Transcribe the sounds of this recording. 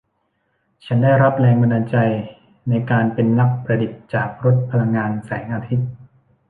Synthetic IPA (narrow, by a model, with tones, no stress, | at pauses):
t͡ɕʰa˦˥ndaː˥˩jɾa˦˥p̚lɛː˧ŋba˧nːaː˧t͡ɕa˧j | na˧jkaː˧npe˧nla˦˥k̚pɾa˧di˨˩t̪̚t͡ɕaː˨˩k̚ɾo˦˥t̪̚pʰa˧la˧ŋːaː˧nsɛ̰ː˩˦ŋʔaː˧t̪ʰi˦˥t̪̚